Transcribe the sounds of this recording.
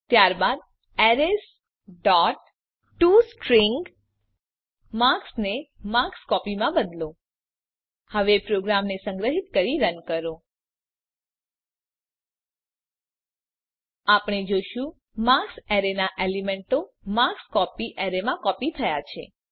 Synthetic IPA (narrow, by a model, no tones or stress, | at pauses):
t̪jaɾbad̪ | ɛɾes | ɖɔʈ | ʈusʈɾiŋɡ | mãksnemakskɔpimãbəd̪lo | həʋepɾoɡɾamnesə̃ŋɡɾəɦit̪kəɾiɾənkəɾo | apɳ̃ed͡ʒoʃũ | mãksɛɾenaʔelimeɳʈo | makskɔpiʔɛɾemãkɔpit̪ʰəjat͡ʃʰḛ